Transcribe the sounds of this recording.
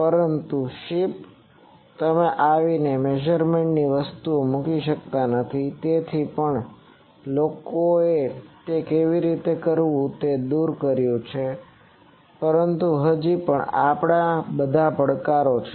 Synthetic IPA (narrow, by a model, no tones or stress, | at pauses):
pəɾənt̪uʃip | t̪əmeʔaʋinemed͡ʒəɾmeɳʈniʋəst̪uomukiʃəkt̪anət̪ʰit̪et̪ʰipəɳ | lokoet̪ekeʋiɾit̪ekəɾʋũt̪ed̪uɾkəɾjũt͡ʃʰe | pəɾənt̪uɦəd͡ʒipəɳapɽ̃abəd̪ʱapəɽkaɾot͡ʃʰ